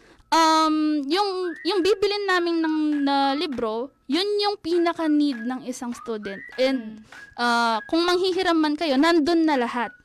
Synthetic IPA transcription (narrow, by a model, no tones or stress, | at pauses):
ʔɐmjʊŋjʊŋbiːbɪlɪnːaːmɪnːɐŋnɐlibɾo̞ | jʊnjʊŋpiːnɐkɐnid̪̚nɐŋɪsɐŋst̪uːd̪ɛnt̪̚ʔɛnd̪̚ʔaːkʊŋmɐŋhiɦɪɾɐmɐnkɐjo̞nɐnd̪onːɐlɐhat̪̚